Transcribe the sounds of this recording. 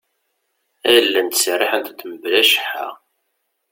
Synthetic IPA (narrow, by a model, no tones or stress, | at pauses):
æjəlːænt̪srːɪħənt̪t̪ːəməblæʃə̥ħa